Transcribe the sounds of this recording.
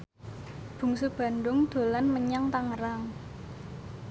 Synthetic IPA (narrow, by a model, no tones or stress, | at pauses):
b̥ṳŋsub̥a̤nɖʊŋd̪̥o̤lanməɲaŋt̪aŋəɾaŋ